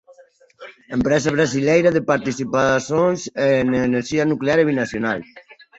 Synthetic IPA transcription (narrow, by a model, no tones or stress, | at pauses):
əmpɾɛzaβ̞ɾazilɛjɾaðepaɾt̪isipasonzeneneɾʒianukleaɾeβinasjonal